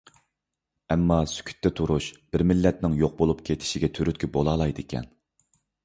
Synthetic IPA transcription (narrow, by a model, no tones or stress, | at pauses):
ɛmːɑsy̥kʲʰy̥t̪ʰːɛt̪ʰuɾuʃb̥ɪɾmɪlːɛt̪nɪŋjoq̚bolˠupkʲʰet̪ʰɪ̥ʃiɡʲɛt̪ʰyɾyt̪̚kʲʰibolˠɑlˠɑjd̪ɪkʲʰɛ̰n